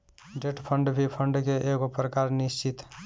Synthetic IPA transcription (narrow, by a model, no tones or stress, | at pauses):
d͡ʒeʈpʰəɳɖbʱipʰəɳɖkeʔeɡopɾəkaɾnist͡ʃit̪